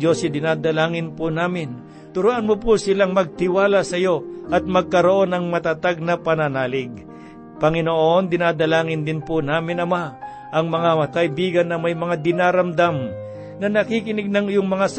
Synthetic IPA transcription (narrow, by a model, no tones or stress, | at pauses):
d͡ʒo̞sɪd̪ɪnaːd̪ɐlaːŋɪnpʊnaːmɪn | t̪ʊɾuʔɐnmʊpʊsɪlaŋmɐɡ̚t̪ɪwaːlasɐjo̞ʔɐt̪̚mɐɡ̚kɐɾoʔo̞nɐŋmɐt̪at̪aɡ̚nɐpɐnɐnaːlɪɡ̚ | pɐŋɪnoʔo̞nd̪ɪnad̪ɐlaːŋɪnd̪ɪnpʊnaːmɪnɐma | ʔɐŋmɐŋakɐʔɪbiːɡɐnːɐmɐjmɐŋad̪ɪnaːɾɐmd̪am | nɐnɐkikɪnɪɡ̚nɐŋɪjoŋmɐŋas